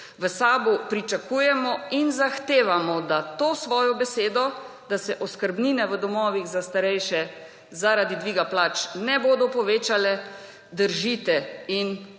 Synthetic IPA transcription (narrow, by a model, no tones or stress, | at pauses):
ʋəsaːbupɾit͡ʃakujɛmɔinzaxt̪eːʋamɔd̪at̪oːsʋɔːjɔbɛseːd̪ɔ | d̪asɛʔɔskəɾbniːnɛʋəd̪ɔmɔːʋiɣzast̪aɾɛjʃɛ | zaɾad̪id̪ʋiːɡaplaːt͡ʃnɛboːd̪ɔpɔʋeːt͡ʃalɛ | d̪əɾʒit̪ɛin